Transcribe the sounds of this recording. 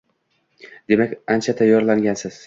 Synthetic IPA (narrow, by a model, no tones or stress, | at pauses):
d̪̥e̞makʲant͡ʃʰat̪ʰajːɒɾlaŋɡʲansɪz̥